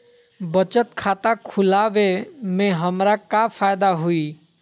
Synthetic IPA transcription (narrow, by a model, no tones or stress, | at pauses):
bət͡ʃət̪kʰaːt̪akʰʊlaːʋemẽɦəmɾakafʰaːjd̪aɦuiː